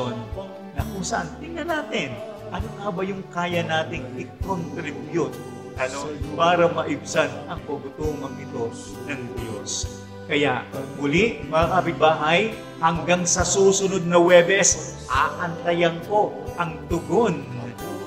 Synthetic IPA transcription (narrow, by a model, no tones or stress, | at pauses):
nː | ɐkʊŋsɐʔant̪ɪŋnɐnaːt̪ɪn | ʔɐnokabɐjʊŋkaːjɐnaːt̪ɪŋʔɪkont̪ɾɪbjʊt̪̚ | ʔɐnopaːɾɐmɐʔɪbsanɐŋpɐbʊt̪uːŋɐŋɪt̪o̞ | nɐŋd̪jos | kɐjaʔmʊlɪʔmɐakapɪt̪̚baːɦɐj | hɐŋɡaŋsɐsuːsʊno̞d̪̚nɐwɛbɛʔɛsʔaːʔɐnt̪ɐjɐŋko̞ | ʔɐŋd̪ʊɡon